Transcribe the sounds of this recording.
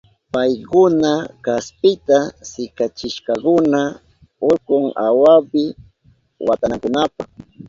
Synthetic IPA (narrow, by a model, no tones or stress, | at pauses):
pajkʊnakaspɪt̪asɪkat͡ʃɪʃkɑkʊna | ʊkʊŋa̰wapɪ | wa̰t̪anakʊnapaχ